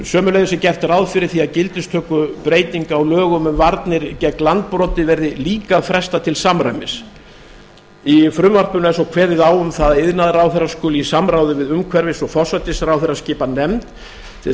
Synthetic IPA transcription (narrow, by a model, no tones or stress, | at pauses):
sœːmʏlejðʏsɪcɛr̥t̪ɾawðfɪɾɪɾ̥θiaðcɪlt̪ɪst̪ʰœːkʏpɾeːjt̪iŋkaːwlœːɣʏmʏmvaɾt̪nɪɾcɛklant̪̚pɾɔːt̪ɪvɛɾðɪliːkaðfɾɛst̪at̪ʰɪlsamɾa̰ɥmɪs | ifɾʏmvar̥pʏnɛsɔwkʰvɛːɾðɪðaːwʏmθaðɪðnaðɾaːwθɛɾaskɔːlɪisamɾawðɪvɪðʏmkʰvɛɾvɪsɔfɔsat̪ɪsɾawθɛɾascɪːpanɛmt̪ʰ | ɪ